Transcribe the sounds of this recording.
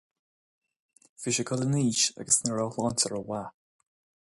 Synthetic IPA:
fɪʃəkʰɔləniːʃa̰ɡəsnəɹawlɔntəɹəwa

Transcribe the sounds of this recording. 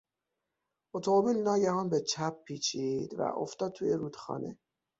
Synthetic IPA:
ot̪ʰomobiːlnɒːjæhɒːnbet͡ʃʰæpːiːt͡ʃʰid̪̥væ̰ʔo̞̰ft̪ɒːd̪̚t̪ʰuːjeɾuːd̪̥xɒ̰ːnʔḛ

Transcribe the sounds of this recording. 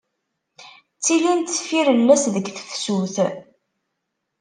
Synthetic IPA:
t͡sːilint̪sfiɾəlːæsðəɡθə̥θsuθ

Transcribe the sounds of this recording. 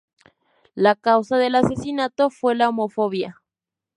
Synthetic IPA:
lakawsaðe̞lase̞sinat̪o̞fwe̞laomo̞fo̞βja

